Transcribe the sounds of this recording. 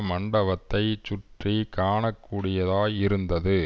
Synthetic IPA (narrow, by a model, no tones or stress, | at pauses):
mɐɳɖɐʋɐt̪ːɐɪt͡ʃʊʈrikaːɳɐkːuːɽɪjɐðaːɪɾɯnd̪ɐðɯ